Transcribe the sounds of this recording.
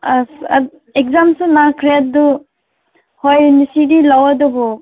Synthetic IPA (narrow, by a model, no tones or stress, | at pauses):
asa̰ | ek̚zamsunakʰɾat̚du | hojnisidilawadɔbɔ